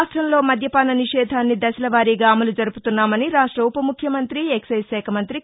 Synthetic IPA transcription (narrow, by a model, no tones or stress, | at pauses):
ʂʈɾɐmlo̞ːmɐd̪ʱjɐpaːnɐniʂɛːd̪ʱaːnːid̪ɐsɐlɐʋaːɾiːɡaːmɐlud͡ʒɐɾuput̪unːaːmɐniɾaːʂʈɾɐupɐmukʰːjɐmɐnt̪ɾieksɐjsɛːkʰɐmɐnt̪ɾi